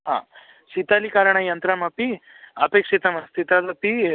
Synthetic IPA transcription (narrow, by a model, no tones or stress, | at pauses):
ɦa̰ː | ʃit̪alikaːɾɐɳɐjɐnt̪ɾɐmɐpi | ɐpeːkʂit̪ɐmɐst̪ʰit̪ad̪ɐpi